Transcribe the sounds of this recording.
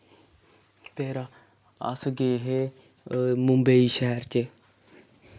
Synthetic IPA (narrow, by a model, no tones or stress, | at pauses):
t̪eːɾaː | ə̰sɡeːɦeː | mʊ̃mbəiːʃɛɦɛɾt͡ʃe